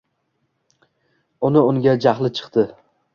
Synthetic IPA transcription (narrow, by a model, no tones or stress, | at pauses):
ʊnɪʊŋɡʲad͡ʒaχlˠɪt͡ʃʰɨ̥qt̪ɪ